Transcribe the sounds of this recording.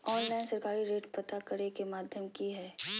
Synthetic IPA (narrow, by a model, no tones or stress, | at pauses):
ɔːnlaːɪnsɐɾkaːɾiɾeːʈpɐt̪akɐɾekemaːd̪ʱjəmkiɦɛː